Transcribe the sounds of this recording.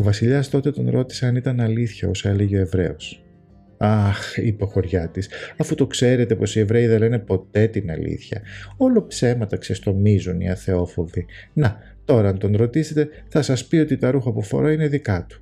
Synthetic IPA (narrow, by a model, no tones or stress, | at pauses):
ovɐsiʎɐst̪o̞t̪e̞t̪o̞nɾo̞t̪i̥seɐnit̪ɐnɐliθçɐoseleʝeoe̞vɾe̞̰os | ɐxipexo̞ɾʝɐt̪isɐfut̪o̞kse̞ɾe̞t̪e̞po̞sie̞vɾe̞iðenlene̞po̞t̪e̞t̪inɐ̰lḭθçɐ̰o̞lo̞pse̞mɐt̪ɐksest̪o̞mizunḭɐ̰θe̞o̞fo̞vi | nɐ | t̪o̞ɾɐɐnt̪o̞nɾo̞t̪ise̞t̪e̞ | θɐsɐspio̞t̪it̪ɐɾuxɐpufo̞̰ɾoineðikɐt̪u̥